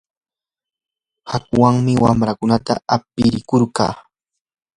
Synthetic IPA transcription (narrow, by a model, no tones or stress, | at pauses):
hakwaŋmɪwamɾakʊnat̪a̰ap̚ɪɾɪkoɾkɑ̰ː